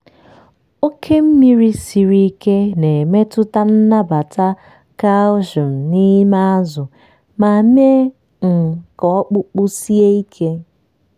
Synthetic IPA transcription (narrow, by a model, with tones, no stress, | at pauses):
o˦kʰe˦m̩˦mi˦ɾi˦si˨ɾi˦ke˦ne˨me˦tʊ˦ta˦n̩˦na˦ba˨ta˦ | ka˦ʊ˦ʒʊ˨n̩˨ni˦ma˦a˦zʊ˨ | ma˨m˦e˦ | ŋ̩˨kɔ˨ɔ˦k͡pʊ˦k͡pʊ˦si˦e˦i˦kʰe˦